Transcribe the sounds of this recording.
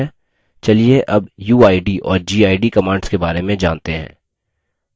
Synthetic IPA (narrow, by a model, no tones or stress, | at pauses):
ɛ | t͡ʃɐlieʔɐbjuːaːiɖiʔɔːɾd͡ʒiːaːiɖikɐmãːɳɖskebaːɾemẽd͡ʒãːnt̪eɦɛ̰̃ː